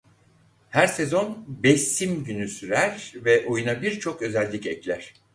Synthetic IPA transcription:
hæɾsezo̞nbɛsːimɟynysyɾæɾvɛʔo̞junabiɾt͡ʃʰo̞kø̞zɛlʲːicɛclʲæɾ̥

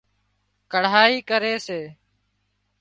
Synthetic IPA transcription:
kəɽ̤aːiːkəɾeːseː

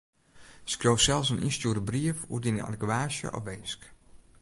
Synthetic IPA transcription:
skroːfsɛlˠsənʔḭnstjuəɾəbriəfṵdinəa̰dəkwaːsjə̰ʔɔ̰fʋejsk

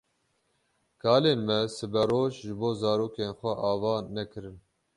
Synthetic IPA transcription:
kʰɑːleːnmɛsɨbɛɾoːʃʒɨboːzɑːɾoːkeːnxʷɛʔɑːvɑːnɛkɨɾɨn

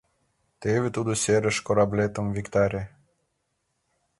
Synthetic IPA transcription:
t̪evʲet̪ud̪oseɾə̆ʃkoɾablʲet̪ə̆mvʲikt̪ɑɾʲe

